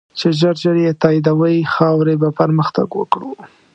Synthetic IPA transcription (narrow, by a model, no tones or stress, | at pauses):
t͡ʃeʒəɾʒəɾjet̪ɑid̪awəjixɑwɾebapəɾməxt̪a̰ɡwə̰kɽu